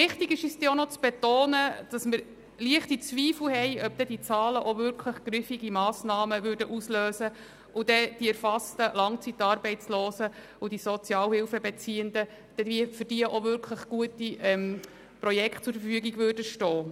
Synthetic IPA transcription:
ʋɪχt̪ɪɡɪʃisd̥̪ɪonɔt͡sb̥ɛt̪oːnəd̥ɑsməɾ | liəχtit͡sʋiːfl̩hɛɪʔœb̥̚d̥̪ɛd̥̪it͡sɑːləʔovʏɾkʰləχɡ̥ɾɪfiɡimɑːsnɑːməʋʏɾdəʔusløːsə | ʔʊd̥̪ɛd̥iɛɾfɑstəlɑŋt͡sit̚ːɑːɾbɛɪt͡slɔːsə | ʊd̥isɔt͡sjɑːlhɪlfəbɛt͡siːənd̪ə | d̪̥ɛifərdiəʔovʏɾkʰləχɡ̥uətiɛm | prɔjɛkʰt̚t͡sʊɾfəfyəɡiɡvʏrdəʃtɔː

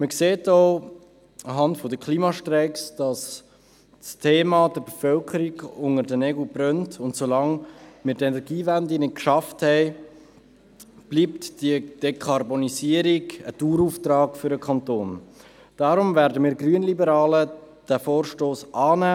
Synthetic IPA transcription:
məkseːtoʊ | ɑɦɑntfɔdəkʰliːmɑʃtrɛɪksd̥ɑs | stʰeːmɑdəɾbefœlkʰəɾiɡʊŋəɾdənɛɡl̩brœntʊntsolɑŋmɪːɾdɛnɛɾɡiːvændinɪt̚kʃɑfthɛɪ | b̥liːptd̥iəd̥ekʰɑrboniziəɾiɡətuːɾuftɾɑːkfʏɾəkʰɑntoːn | d̥ɑːɾʊmvæːɾdəmiːɾɡryənlibəɾɑːlə | d̥æfoːɾʃtoːsʔɑːnæː

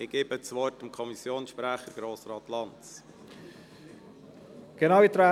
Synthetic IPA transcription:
ɪɡ̥eːbət͡sʋɔrtəmkʰɔmisjoːnsʃpɾæχəɾɡ̥ɾoːsrɑːt̪lɑntt͡s | ɡ̥enɑwit̪ɾa

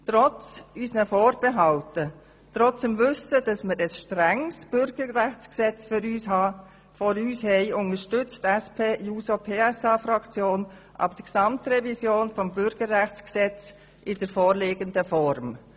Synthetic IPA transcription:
tʁɔt͡sysnəfoːɾb̥eɦɑltə | t̪ɾɔt͡səmvʏsəd̥ɑsməɾəsʃtɾɛŋsb̥ʏɾɡ̥əɾæxsksɛt͡sfʏɾyːshɑː | fɔɾyːshɛɪʊnəʃtʏt͡stæspʰeːjuːsopʰeːɛsɑːfɾɑkt͡sjoːn | ʔɑ̰b̚d̥əksɑmtrɛvizjoːnfɔmbʏɾɡ̥əɾːæxt͡sksɛt͡s | ʔɪd̥əɾfɔːɾleːɡəndəfɔɾm

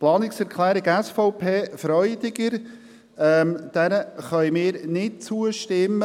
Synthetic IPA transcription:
plɑːnɪksɛɾkʰlɛːɾɪɡɛsfɔʊpʰeːfɾœʏdɪɡəɾ | ɛːmd̥ɛnəχœʏmɪːɾnɪt̚t͡suəʃtɪmːə

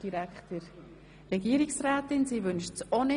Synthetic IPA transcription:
d̥iɾækχtəɾ | ɾɛɡiəɾiksɾaːtɪnsiːʋʏnʃtsonɪ

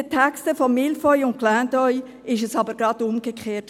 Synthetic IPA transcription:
ətʰækstəfɔmɪlfɔjʊntklæːndɔj | ɪʃəsɑbəɾɡ̥ɾɑd̪ʊmɡekχeːt

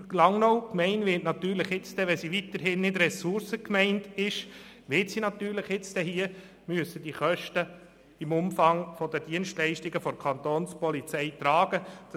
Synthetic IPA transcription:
lɑŋnɔwkmɛɪnʋɪtnɑt̪yːɾlɪχjɪt͡sd̥ɛʋɛsiʋit̪əɾɦɪnːɪdɾɛsʊɾsəkmɛɪntɪʃ | ʋɪtsinɑt̪yːɾlɪχjɪt͡sd̥ɛhiə | myəsːəd̥iχœʃtə | ɪmʊmfɑŋfɔdəd̥iənʃtlɛɪʃtɪɡəfɔɾkʰɑnt̪oːnspɔlit͡sɛɪt̪ɾɑːɡəd̥

